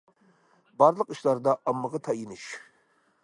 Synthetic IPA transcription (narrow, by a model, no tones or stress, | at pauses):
bɑɾlˠəqiʃlˠɑɾd̪ɑʔɑmːəʁɑt̪ʰɑjinɪʃ